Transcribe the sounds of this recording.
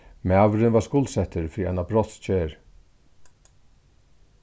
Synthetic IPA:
mɛaʋɾɪnʋaskʊlsɛt̪əɾfɾiːɛnapɾɔt̪st͡ɕʰeːɾ

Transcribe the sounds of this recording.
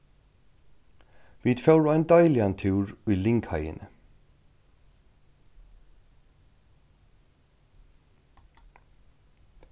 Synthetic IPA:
ʋiːd̪fœɹæɪnd̪œɪlɪɑnt̪ʰʉːɹiːlɪŋkhœɪə̰nʔə

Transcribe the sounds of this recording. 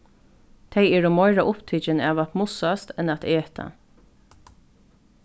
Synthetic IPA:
t̪ʰejɛːɹʊmɔɪɹaʔʊpt̪ʰiːt͡ʃɪnaːʋat̪mʊsast̪ɛnat̪ʰeːt̪ʰa̰

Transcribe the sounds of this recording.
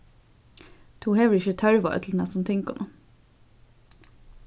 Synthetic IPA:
t̪ʰuːheːʋəɹɪçət̪ʰœɹʋɑ̰ːœ̰t̪ʰl̩nɛst̪ɔnt̪ʰɪŋkɔ̰nʔu

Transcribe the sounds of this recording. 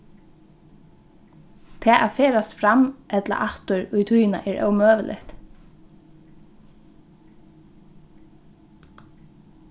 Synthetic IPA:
t̪ʰɛːʔafeːɾast̪fɾamʔɛt̪la̰ʔaht̪ʊɹʊjt̪ʰujɪna̰ʔɛːɾʔœ̰wmøːʋəlʔɪ̰ht̪

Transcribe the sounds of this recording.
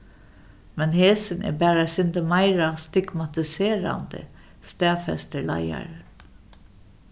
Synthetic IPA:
mɛnheːsənʔɛ̰ːbæːɾɑsɪnd̪əmɑɪɾast̪ɪɡmɑt̪ɪseːɾɑ̰nd̪̥ə̰ | st̪æːfɛ̰st̪əɭɑ̰ɪɑ̰ɾ

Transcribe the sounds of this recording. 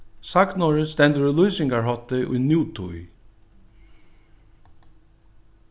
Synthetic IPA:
saknɔɹəst̪ɛnt̪əɹɪlujsɪŋkaɹɦɔt̪ːɪʔṵjnjuːt̪ʰṵj

